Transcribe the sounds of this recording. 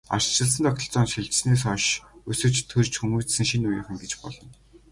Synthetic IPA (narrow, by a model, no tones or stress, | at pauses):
a̰rt͡ɕɪ̆ɮsə̆nt̪ʰɔk̚t̪ʰɞ̆ɮt͡sɔːnt͡ɕxiɮt͡ɕ̆sneːsɔʃɵsɵ̆t͡ɕt̪ʰɵrt͡ɕxumuːt͡ɕsɘ̆ŋʃinujə̰̆χɘ̆ŋɡet͡ɕpɔ̰ɮɞ̆n